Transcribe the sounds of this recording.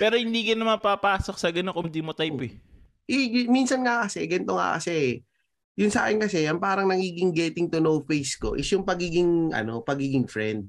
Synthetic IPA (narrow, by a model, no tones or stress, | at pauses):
pɛːɾohɪnd̪iːkɐnːɐmɐpapaːsok̚sɐɡɐnokʊŋd̪iːmot̪ajpɛ | ʔɛjminsɐnŋɐkɐsɛɡɐnɪt̪oŋa̰kɐ̰sɛ | jʊnsa̰ːkɪnkɐsɛʔɐŋpaːɾɐŋnɐɡiːɡɪŋɡɛːt̪ɪŋt̪ʊnowfejsko̞̰ʔɪsjʊŋpɐɡiːɡɪŋʔɐ̰no̞pɐɡiːɡɪŋfɾɛnd̪̚